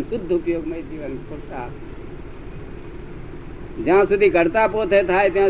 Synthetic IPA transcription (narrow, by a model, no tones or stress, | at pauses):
sʊd̪ʱːʊpjoːɡməid͡ʒiːʋənpʊɾt̪a | d͡ʒɐɦãsʊd̪ʱikəɾt̪apoːt̪ʰet̪ʰaːet̪iɦã